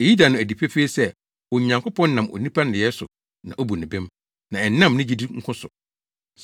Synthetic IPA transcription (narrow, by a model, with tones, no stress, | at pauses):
e˨ji˦da˨nʊ̃˨æ˨di˨pʰe˦feː˦sɛ˦˨ | ɔ˨ɲã˨ŋkʊ˦pʰɔ̃˦nː˦nã˨mɔ̰˨nĩ˦pʰa˦nɪ˨ɛ˦sʊ̰˨ | nã̰˨ʔo˦bu˨nɪ̃˨bɪ̃˦m | nã˨ɛ˨nã˦˨mnɪ̃˦d͡ʑi˦di˦ŋ̩˦kʰʊ̃˦sʊ˨